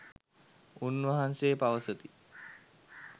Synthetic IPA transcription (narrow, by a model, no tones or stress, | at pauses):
unʋɐɦanseːpaʋəsət̪i